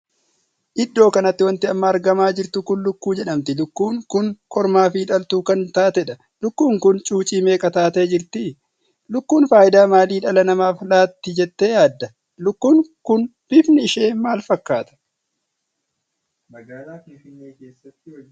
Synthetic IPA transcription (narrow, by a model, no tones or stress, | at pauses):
ʔɪd̪ːo̞ːkɐnɐt̪ːɪwɐnt̪ɪɐmːɐːɾɡɐmaːd͡ʒɪɾt̪ʊkʊnlʊkːuːd͡ʒɛᶑɐmt̪ɪlʊkːuːŋkːʊːŋkʰɔɾmaːfiːᶑɐlt̪uːkɐnt̪aːt̪ɛᶑɐ | lʊkːuːŋkʊnt͡ʃʼuːt͡ʃʼiːme̞ːkʼɐt̪aːt̪eːd͡ʒɪɾt̪ɪ | lʊkːuːnfaːjɪd̪aːmaːliːᶑɐlɐnɐmaːfɪlaːt̪ːɪd͡ʒɛt̪ːeːjaːd̪ːɐ | lʊkːuːŋkʊnfɪfnɪɪʃe̞ːmaːlfɐkːaːt̪ɐ̥ | mɐɡaːlaːɪnːeːkeːsːɐt̪ːɪ